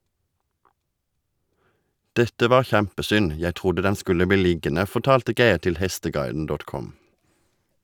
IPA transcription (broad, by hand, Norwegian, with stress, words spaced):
ˈdɛtə ˈʋɑːʁ ˈçæmpəˌsʏn ˈjæɪ ˈtʁʊdə ˈdɛn ˈskʉlə ˈbiː ˈlɪɡənə ˌfɔʁˈtɑːltə ˈɡeɪʁ ˈtɪl ˈhɛstəˌɡɑɪdn̩ ˈdɔt ˈkɔm